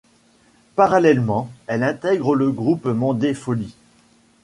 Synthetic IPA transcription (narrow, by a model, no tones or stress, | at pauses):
paʁalɛlmɑ̃ɛlɛ̃t̪ɛɡʁələɡʁupmɑ̃d̪efɔli